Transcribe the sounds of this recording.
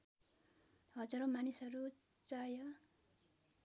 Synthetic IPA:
hʌd͡zʌɾomanisʌɾu | t͡sajʌ

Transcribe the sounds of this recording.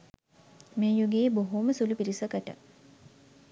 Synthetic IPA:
meːjuɡeːboɦuməsulupiɾisəkəʈə̰

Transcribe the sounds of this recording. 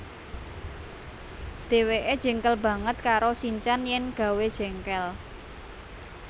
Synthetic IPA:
d̪̥e̤weʔed̥ʒ̥ə̤ŋkəlbä̤ŋət̪̚kaɾosiɲt͡ʃanjɛŋɡ̥a̤wed̥ʒ̥ɛ̤ŋkɛl

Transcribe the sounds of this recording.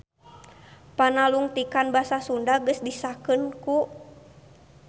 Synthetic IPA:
panaluŋt̪ikanbasasundaɡəsdisakɨnku

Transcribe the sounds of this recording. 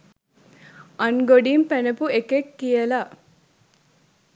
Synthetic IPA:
ɐnɡoɖimpenepuekekːijɐla

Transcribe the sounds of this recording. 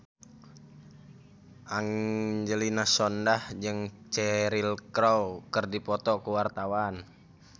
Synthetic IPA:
ʔaŋd͡ʒəlinasɔndahd͡ʒɨŋt͡ʃɛɾilkɾowkərdipɔt̪ɔkuwart̪awan

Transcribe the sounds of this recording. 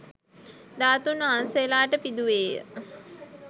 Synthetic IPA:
d̪aːt̪unəɦanselaːʈəpid̪uʋeːjə̰

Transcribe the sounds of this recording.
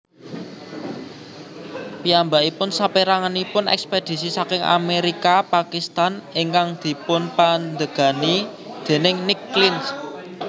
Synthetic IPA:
piambaʔipʊnsapiɾaŋanipʊnɛ̰ksped̪̥i̤sisakɪŋʔa̰meɾikapakist̪aniŋkaŋd̪̥i̤pʊnpand̪əɡ̥a̤nid̪̥e̤nɪŋnɪkːlins

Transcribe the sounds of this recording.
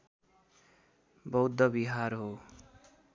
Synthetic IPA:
bʌwd̪ʌbiɦaɾɦo

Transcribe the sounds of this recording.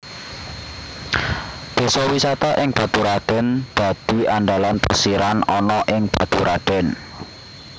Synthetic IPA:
d̪̥ɔ̤sɔwisat̪aʔɪŋb̥a̤t̪uɾaɖ̪̥ɛ̤nd̪̥ä̤d̪̥i̤anɖalanpəsiɾanɔnɔʔɪŋb̥a̤t̪uɾaɖ̪̥ɛ̤n

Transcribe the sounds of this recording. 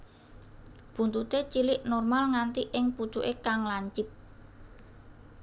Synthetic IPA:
b̥ṳnt̪ut̪et͡ʃilɪʔnɔrmalŋant̪iʔɪŋpu̥t͡ʃuʔekaŋlaɲt͡ʃɪp̚

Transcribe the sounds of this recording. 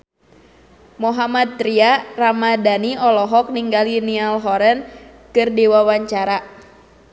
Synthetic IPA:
moɦamat̪̚ːɾiaramadaniɔlɔɦɔk̚niŋɡalinialɦɔɾɛn | kɨrdiwawaɲt͡ʃaɾa

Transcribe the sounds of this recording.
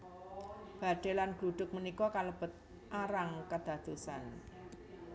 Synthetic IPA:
b̥a̤ɖ̪̥elanɡ̥luɖ̥ʊk̚mənikɔkaləb̥ət̪̚ | ʔaɾaŋkəd̪̥ä̤d̪̥usa̰n

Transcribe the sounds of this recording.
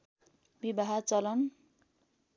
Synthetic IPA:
bibaɦat͡sʌlʌn

